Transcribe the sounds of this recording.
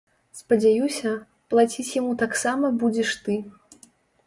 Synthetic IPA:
spɐd͡zʲajusʲɐ | plˠat͡sʲit͡sʲjamut̪aksamɐbud͡zʲɛʂt̪ɨ

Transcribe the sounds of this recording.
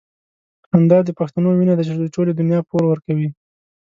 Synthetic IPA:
hamd̪ɑd̪əpaxt̪anowinad̪at͡ʃed̪əʈoled̪ʊnjɑpoɾwəɾkawi

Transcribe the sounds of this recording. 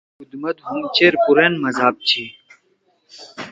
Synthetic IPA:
ud̪mɐt̪ɦumt͡ɕeːɾpuɾenmɐzaːb̚t͡ɕʰi

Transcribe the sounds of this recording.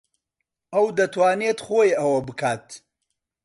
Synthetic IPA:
ʔɐwd̪ɐt̪ʰwaːnet̪χojɐwɐbɨkʰaːt̪

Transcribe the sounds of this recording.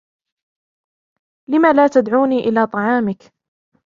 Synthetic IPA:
lɪmaːlaːt̪ad̪ʕuːniːʔɪlaːt̪ˤɑʕɑːmɪk

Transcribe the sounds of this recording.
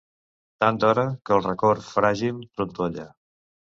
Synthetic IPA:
t̪ant̪ɔɾəkəlˠrəkorfɾaʒimt̪ɾunt̪oʎə

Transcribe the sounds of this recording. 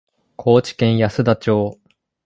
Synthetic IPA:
kʰo̞ːt͡ɕi̥kẽ̞ɰ̃jasɨd̪at͡ɕo̞ː

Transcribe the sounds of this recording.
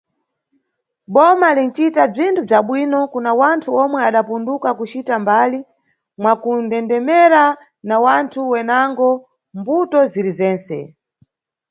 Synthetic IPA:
ɓɔmalin̩t͡ʃitab͡ʐintʰub͡ʐaɓwinɔkunawantʰuɔmwɛaɗapundukakut͡ʃitambaːli | mwakundɛndɛmɛɾa | nawantʰuwɛnaŋɡɔ | mbutɔziɾizɛːnsɛ̰

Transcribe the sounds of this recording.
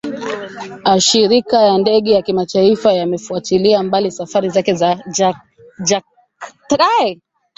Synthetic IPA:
aʃiɾikajandɛɠɛjakimatʰaifajamɛfuatiliambalisafaɾizakɛzaa | d͡ʒa | tɾaɛ

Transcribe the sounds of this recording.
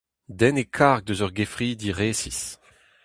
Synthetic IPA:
d̪ɛnekʰaʁɡ̚d̪øzœʁɡefʁiːd̪iʁeːsis

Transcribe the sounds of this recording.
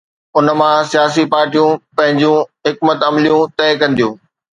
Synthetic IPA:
ʊn̆mãsijaːsipaːɾʈijũpɐ̃ɦɪ̃ɲd͡ʑũɦɪkmət̪ɐmlijũt̪ɛːkɐ̃nd̪ijũː

